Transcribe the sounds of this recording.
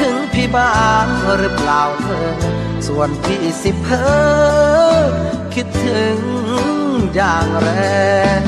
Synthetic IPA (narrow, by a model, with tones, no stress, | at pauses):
ɯ˨˦ŋpʰi˧baː˧˩˧nmː˧ɾɯ˧˥plaː˨˩wmʰɤː˧˩ | su˨˩ənpʰi˧ʔsi˧˦pʰːɤː˧˥˦ | kʰi˧˥t̪ʰːɯ˨˦ŋ | jaː˨˩ŋɾɛ˧